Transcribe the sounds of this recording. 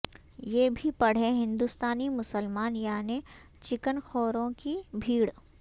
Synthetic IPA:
jeːbʱipɐɽ̤eɦɪ̃nd̪ust̪aːnimʊsəlmaːnjaːne | t͡ʃɪkənxoːɾõkibʱiːɽ

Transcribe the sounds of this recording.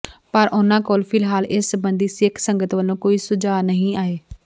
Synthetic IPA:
pəɾʔʊnãːkoːlpʰɪlɦaːlɪsːəbənd̪iːsɪkʰsəŋɡət̪ʋəlːõːkoːiːsʊd͡ʒaːnəɦĩːaːeː

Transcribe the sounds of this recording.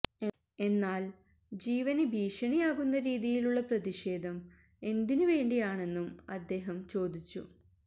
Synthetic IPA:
e̞nːaːl | d͡ʑiːʋɐnebʱiːʂɐɳijaːɣunːɐɾiːðijiluɭːɐprɐðiʂe̞ːd̪ʱɐm | e̞nd̪inuʋe̞ːɳɖijaːɳe̞nːumɐd̪ːe̞ːɦɐmt͡ɕo̞ːd̪it͡ɕːṵ

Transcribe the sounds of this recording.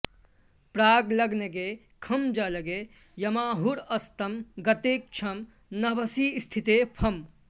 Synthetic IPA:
pɾaːɡlɐɡneɡe | kʰɐmd͡ʒalɐɡe | jɐmaːɦuɾɐst̪ɐmɡɐt̪eːk̚t͡ʃʰɐm | nɐbɐsist̪ʰit̪epʰɐm

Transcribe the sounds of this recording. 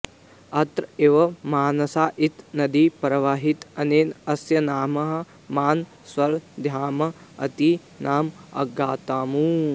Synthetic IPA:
ɐt̪ɾeːʋɐmaːnɐsaːʔit̪nɐd̪ipɾɐʋaːɦit̪ɐneːnɐsjɐnaːmɐɦɐ̆ | maːn | swɐɾd̪ʱjaːmɐɐ̰t̪i | naːmɐ̰ɡːaːt̪aːmuː

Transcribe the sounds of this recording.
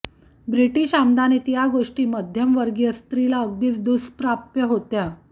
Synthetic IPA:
bɾiʈiːɕamd̪anet̪jaɡoʂʈiːməd̪ʱjəmʋəɾɡjəst̪ɾilaəɡd̪iːt͡sd̪uspɾap̚t̪jəɦot̪ja

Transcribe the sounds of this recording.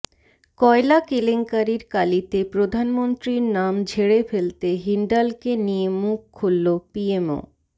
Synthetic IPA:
kɔelakeleŋkaɾiɾkalit̪epɾod̪ʱanmont̪ɾiɾnamd͡ʑʱeɽefelt̪eɦiɳɖalkenijemukʰːulːopiemo̰

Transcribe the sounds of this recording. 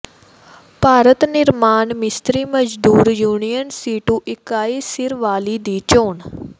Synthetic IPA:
paːɾət̪nɪɾmaːnmɪst̪ɾiːməd͡ʒd̪uːɾjuːnijənsiːʈũːʔɪkaːiːsɪɾʋaːliːd̪iːt͡ʃoːn

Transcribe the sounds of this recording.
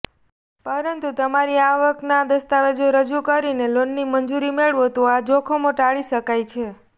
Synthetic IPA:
pəɾənt̪ut̪əmaɾiaʋəknad̪əst̪aʋed͡ʒoɾəd͡ʒukəɾinelonːimənd͡ʒuɾimeɭʋot̪oad͡ʒokʰomõʈaɭiʃəkajt͡ʃʰe

